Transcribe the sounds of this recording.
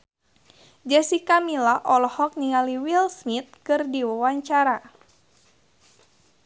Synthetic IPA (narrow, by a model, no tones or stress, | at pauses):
d͡ʒɛsikamilaʔɔlɔhɔk̚niŋaliwilsmit̪̚kɨrdiwawaɲt͡ʃaɾa